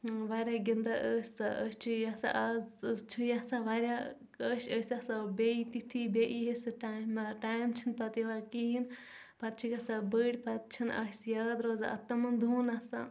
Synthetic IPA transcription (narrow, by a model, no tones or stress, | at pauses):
ʋaːɾʲaːɡind̪aʔəːsʲsaʔəst͡ʃʰujasa̰ʔazt͡ʃʰujasaʋaːɾʲa | əːʃəːsʲasabʲeit̪it̪ʰibʲeʔiɦesɨʈaːmaʈaːjmt͡ʃʰinpɐt̪iʋakiːn | pɐt̪̚t͡ʃʰikɐsabəːɽʲpɐt̪̚t͡ʃʰina̰sjaːd̪ɾoːzaɐ̰t̪ːɐmɐnd̪ʱuːnɐsa̰